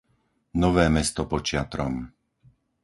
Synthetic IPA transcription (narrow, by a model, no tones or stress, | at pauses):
nɔʋɛːmɛst̪ɔpɔt͡ʃɪat̪ɾɔm